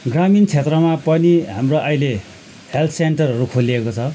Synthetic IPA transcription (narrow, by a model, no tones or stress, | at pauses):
ɡramint͡sʰet̪rʌmapʌniɦamroʔʌjle | helt̪ʰsenʈʌrʌɾukʰoliekot͡sʰʌ